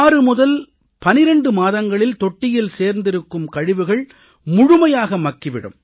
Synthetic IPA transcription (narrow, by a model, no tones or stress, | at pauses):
rɯmʊðɐl | pɐnɪɾɐɳɖɯmaːðɐŋɡɐɭɪlt̪ɔʈːɪjɪlseːɾnd̪ɪɾɯkːɯmkɐɻɪʋɯɣɐɭ | mʊɻʊmɐjaːɣɐmɐkːɪʋɪɽɯ̰m